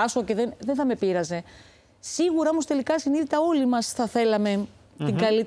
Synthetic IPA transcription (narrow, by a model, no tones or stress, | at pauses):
ɐsoce̞ðenðenθɐme̞piɾɐze̞ | siɣuɾɐo̞most̪e̞likɐsiniðit̪ɐo̞limɐsθɐθe̞lɐme̞t̪iŋɡɐlit̪